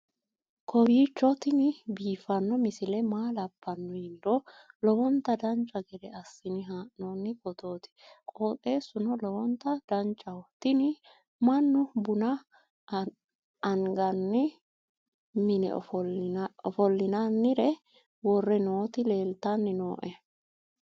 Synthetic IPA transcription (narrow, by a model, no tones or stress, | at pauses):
kʰɔbiːt͡ʃːɔt̪ɪnɪbiːfɐnːɔmɪsɪlɛmaːlɐpːɐnːɔhɪnd̪ɔlɔbɔnt̪ːɐd̪ɐnt͡ʃʼːɐɡɛd̪ɛɐsːɪnɪɦaːʔnonːɪkɔt̪o̞ːt̪ɪ̥kʼoːt̪ʼe̞ːsʊnɔlɔwɔnt̪ːɐd̪ɐnt͡ʃʼːɐwɔt̪ɪnɪ | mɐnːʊbʊnɐ | ɐŋɡɐnːɪ | mɪnɛ̰ɔfɔɔfɔlːɪnanːɪɾɛ | wɔrːɛnoːt̪ɪle̞ːlt̪ɐnːɪnoːʔɛ